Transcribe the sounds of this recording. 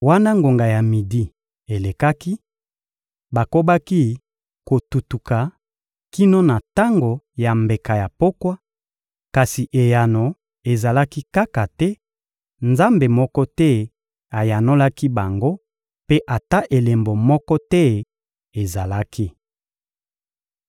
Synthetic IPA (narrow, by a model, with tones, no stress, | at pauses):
wa˦na˦ŋɡo˨ŋɡa˨ja˨mi˨di˨ | e˨le˨ka˦ki˦ | ba˨ko˦ba˦ki˦ | ko˨tu˨tu˨ka˨ | ki˦no˦na˨ta˦ŋɡo˨ | ja˨mbe˨ka˨ja˨po˦kwa˦ | ka˨si˨ʔe˨ja˨no˨ | e˨za˨la˦ki˦ka˦ka˨tɛ˦ | nza˦mbe˨mɔ˦kɔ˦tɛ˦ | a˨ja˨no˦la˦ki˦ba˨ŋɡo˦ | pe˦ʔa˨ta˦ʔe˨le˨mbo˨mɔ˦kɔ˦tɛ˦ | e˨za˨la˦kʰi˦